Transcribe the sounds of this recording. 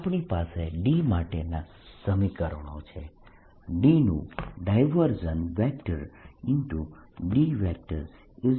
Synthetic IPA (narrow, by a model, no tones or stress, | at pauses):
apɳipaseɖimaʈena | səmikəɾɳ̃õ̰t͡ʃʰe | ɖinṵ̃ɖajʋəɾd͡ʒənʋɛk̚ʈəɾɪnʈuɖiʋɛk̚ʈəɾ | ɪ